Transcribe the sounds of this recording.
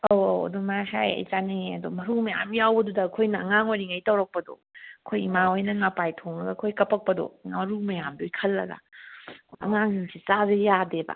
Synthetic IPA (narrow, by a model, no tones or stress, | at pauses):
oo̰dumasajɐ̰jt͡ʃaneɐdomɐɾumɐja̰mjawbɐdudɐːkʰojnɐɐŋaŋojɾiŋajtɐwɾɐk̚pɐdo̰ | ɐkʰojimaojnɐŋapajtʰoŋlɐɡɐkʰojkɐpʰɐk̚pɐdo̰ŋamɐɾumɐjamdojkʰɐlːɐ̰ɡɐ̰ | ɐ̰ŋaŋiŋsʰit͡ʃazejadeba̰